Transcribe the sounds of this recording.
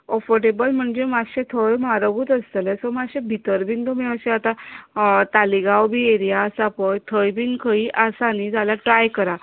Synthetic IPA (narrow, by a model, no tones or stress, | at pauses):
ɔfəɾʈebəlm̤əɳd͡ʑemaɕet̪ʰəjmaɾəɡuːt̪əst̪əlɛsɔmaɕẽbʱit̪əɾbʱiːnd̪omiəɕẽat̪a | t̪aliɡawbʱiːeɾijasapɔjt̪ʰəjbiːnkʰəiʔasanid͡zalaʈɾajkəɾa